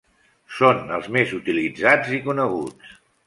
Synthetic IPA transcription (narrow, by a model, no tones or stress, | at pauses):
sonəlˠzmezut̪ilid͡zad͡zikunəɣ̞ut͡s